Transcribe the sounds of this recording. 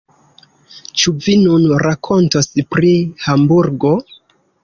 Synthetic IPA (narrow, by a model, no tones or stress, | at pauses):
t͡ʃuvinunɾakʰo̞ntospɾihambuɾɡo̞